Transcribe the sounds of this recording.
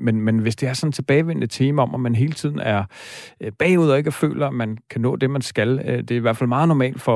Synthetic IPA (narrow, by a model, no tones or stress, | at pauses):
menmenʋe̝sd̥e̝æɐsɒ̽n̩t͡sʰe̝b̥ɛːɪʋen̰nət͡sʰeːməɒ̽mʔæmænɦe̝ːlə̥t͡sʰiðˠn̩æɐ | b̥ɛ̰ːuð̰ˠɒe̝ɡ̥ɒfø̰ːlɐæmænkʰænɔ̰̽ːd̥e̝mænsɡ̥æld̥e̝ɐiʋæɐdfæl̰mɑ̈ːð̩ˠnɒmɛ̰ːld̥fɒ̽